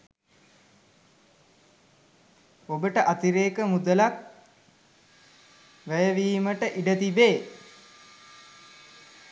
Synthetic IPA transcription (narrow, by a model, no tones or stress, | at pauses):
obəʈəʔat̪iɾeːkəmud̪əlak̚ | ʋæjəʋiːməʈəʔiɖət̪ibeː